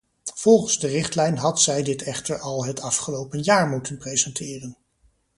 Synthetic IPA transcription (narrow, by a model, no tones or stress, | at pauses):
v̥ɔlˠχənzdərɪχtlɛjnɦɑtsɛjdɪtɛχtəɹɑlˠɦətɑfχəlowpənjaːɹmutənprejzɛntʰɪːrən